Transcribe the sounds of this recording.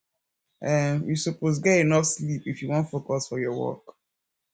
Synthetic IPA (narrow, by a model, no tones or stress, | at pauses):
ɛmjusuposɡɛtenɔfslipifjuwɔ̃ntfokɔsfɔjɔwɔ̰k